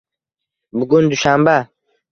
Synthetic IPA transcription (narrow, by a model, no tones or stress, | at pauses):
buɡund̪uʃamba